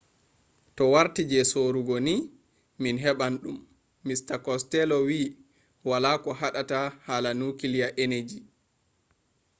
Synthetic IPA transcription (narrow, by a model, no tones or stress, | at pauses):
tɔwaɾtid͡ʒɛsoːɾuɡɔni | minɦɛɓanɗumː | istakɔstɛlɔwi | walaːkɔhaɗatahaːlanukilijaʔened͡ʒi